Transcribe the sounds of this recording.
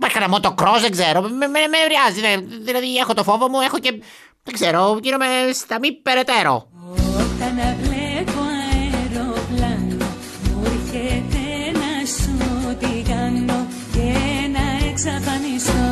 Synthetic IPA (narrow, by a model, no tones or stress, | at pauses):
paçkɐnɐmot̪okɾozðeɡze̞ɾomememevɾiɐzineðilɐðiexo̞t̪ofo̞vomue̞xoce̞ | ðeɡze̞ɾo̞ciɾomest̪ɐmipe̞ɾet̪e̞ɾo̞̰ | ot̪ɐnɐvlepoɐeɾoplɐno | muɾçet̪enɐsut̪ikɐno | cenɐeksɐfɐniso